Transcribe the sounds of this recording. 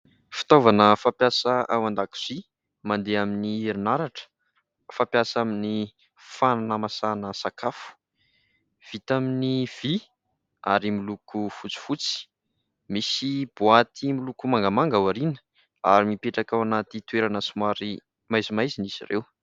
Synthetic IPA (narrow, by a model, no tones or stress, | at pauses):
fi̥t̪ovanəfapjasəʔawand̪aki̥z̥i | mand̪eaminiiɾinaɾaʈ͡ʂə̥ | fapjasamini | fananəmasanəsakafu̥ | v̥it̪aminiv̥i | a̰ɾimilukufut͡si̥fut͡si̥ | misib̥uat̪ʰimilukumaŋɡamaŋɡawaɾinə̥ | a̰ɾimipeʈ͡ʂakawanat̪it̪weɾanəsumwaɾi | majzimajzinizḭrḛw